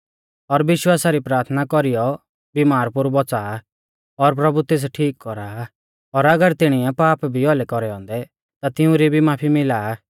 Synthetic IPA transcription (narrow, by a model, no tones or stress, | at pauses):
ɔɾʋɪʃwaːsaɾipɾaːɾt̪ʰnakɔɾijɔ | bimaːɾpʊɾbɔt͡saː | ɔɾpɾɐbut̪eːs̬ʈʰiːkːɔɾaː | ɔɾɐɡəɾt̪ɪɽ̃ɪɛpaːpbʱiɔlɛkɔɾɛɔ̃ːnd̪ɛ | t̪at̪ɪũɾibʱimaːpʰimɪlaː